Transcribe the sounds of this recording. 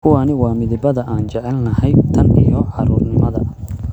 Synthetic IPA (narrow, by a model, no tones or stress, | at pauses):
kʰʊwaːnɪwɑːmɪðɪbɐðɐʔaːnt͡ʃɛʕɛlnɐhɛjt̪ʰɐnḭjɔʕɑɾuːrnɪmɐðɐ̰